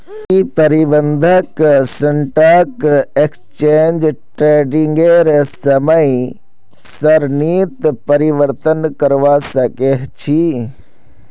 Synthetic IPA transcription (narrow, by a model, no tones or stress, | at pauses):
kipɐɾibənd̪ʱəksɐɳʈakekst͡ʃeːnd͡ʒʈɾeːɖiŋɡeɾesɐməĩ | sɐɾniːt̪pɐɾiʋəɾt̪ənkəɾʋasɐkeɦt͡ʃʰi